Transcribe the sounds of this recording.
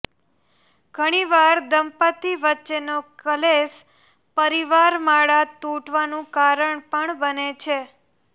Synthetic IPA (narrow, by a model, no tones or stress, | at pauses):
ɡ̥ʱəɽ̃iʋaɾd̪əmpət̪iʋətːʃenokəles | pəɾiʋaɾmaɭat̪uʈʋanũkaɾəɳpəɳbənet͡ʃʰe